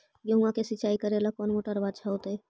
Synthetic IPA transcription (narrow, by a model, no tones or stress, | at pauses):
jəɦũãkesit͡ʃaikəɾelakɔnmoʈəɾbad̪t͡ʃʰaɦot̪e